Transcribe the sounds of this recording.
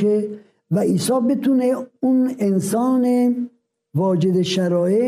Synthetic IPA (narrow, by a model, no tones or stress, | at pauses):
e | væʔiːsɒːbet̪ʰuneunensɒːne | vɒːd͡ʒed̪eʃæɾɒːe